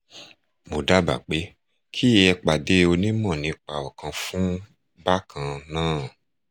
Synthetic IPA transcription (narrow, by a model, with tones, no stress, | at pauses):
mo˨da˨˦ba̰˨k͡pe˨˦ | kʰi˦ɛ˧k͡pa˨de˨˦o˧nĩ˦mɔ̃˦˨nĩ˧k͡pa˨ɔ˨kã˧fũ˦ | ba˦kã˧nãː˦˨